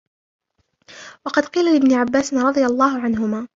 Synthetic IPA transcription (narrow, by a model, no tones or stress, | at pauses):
wɑqɑd̪qiːlalɪbnɪʕabːaːsɪnɾˤɑd̪ˤɨjalˤːɑːɦʊʕanɦʊmaː